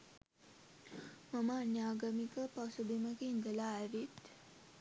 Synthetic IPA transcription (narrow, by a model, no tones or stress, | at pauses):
maməːnjaːɡamikəpasubiməkiind̪əlaæɾit̪